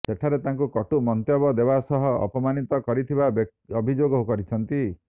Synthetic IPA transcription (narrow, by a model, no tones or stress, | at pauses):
seʈʰaɾet̪aŋkukɔʈumɔnt̪jɔbɔd̪ebasɔɦɔ̰ːpɔmanit̪ɔkɔɾit̪ʰibabk | ɔbʱid͡ʒoɡɔɦukɔɾit͡ʃʰɔnt̪i